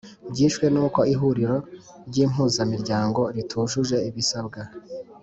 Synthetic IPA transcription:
bɟiːʃwe̞nuːko̞iɦuɾiɾo̞ | ɾɟiːm̥ɦuːzamiɾɟaːŋɡo̞ɾitʰuːʃuʒe̞iβisab̚ɡa

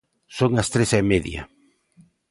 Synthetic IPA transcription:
soŋɐst̪ɾesɛmeðjɐ̰

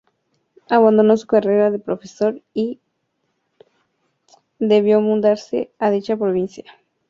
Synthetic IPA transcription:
aβand̪ono̞su̥kare̞ɾaðepɾo̞feso̞ɾi | d̪e̞βjo̞mũnd̪aɾsḛaðit͡ʃapɾoβ̞insja

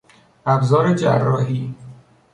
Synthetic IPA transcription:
æbzɒːɾed͡ʒærːɒːɦiː

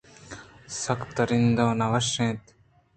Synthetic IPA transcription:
sɐkt̪ɐɾind̪oːnɐʋɐʃẽːt̪

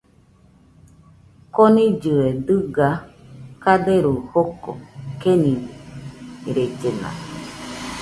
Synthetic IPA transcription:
konĩd͡ʒɨed̪ɨɡakad̪eɾuhoko̰kenĩdi | ɾed͡ʒena̰

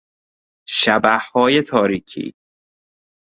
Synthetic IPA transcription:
ʃæbæhhɒːjet̪ʰɒːɾiːcʰḭː

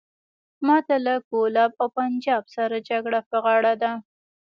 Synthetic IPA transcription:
mɑt̪alakolɑbawpand͡ʒɑbsaɾad͡ʒaɡɽapəɣɑɽad̪a

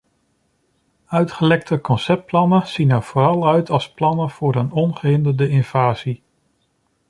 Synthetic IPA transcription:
œɥtχəlɛk̚tʰəkɔnsɛp̚plɑnəz̥inəɹv̥ʊːɾɑlˠœɥtɑlˠsplɑnəv̥ʊːɾənɔnχəɦɪndəɹdəɪnv̥aːzi

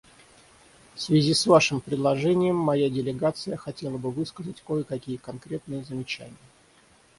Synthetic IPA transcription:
fsvʲɪzʲisvaʂɨmpɾʲɪd̪lˠɐʐɛnʲɪjəmːɐjadʲɪlʲɪɡat̪sɨjəxɐtʲe̞lˠəbɨvɨskəzətʲkojəkɐkʲijəkɐnkɾʲe̞t̪̚nɨjəzəmʲɪt͡ɕæ̰nʲɪjə

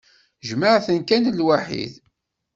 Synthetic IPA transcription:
ʒməʕθənkænlwaħḭð

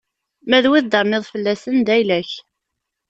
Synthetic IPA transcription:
mæðwiðd̪əɾnɪðˤfəlːæsənd̪æjlæç

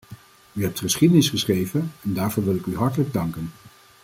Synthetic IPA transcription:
yɦɛp̚tχəsχidənɪsχəsχrejvənɛndaːɹvʊːɹʋɪlɪkyɦɑɹtələɡ̚dɑŋkən

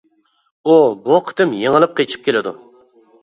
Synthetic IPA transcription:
ubuqʰə̥t̪ɪmjeŋəlˠɨp̚qʰet͡ʃʰi̥p̚kʲʰelɪd̪ṵ

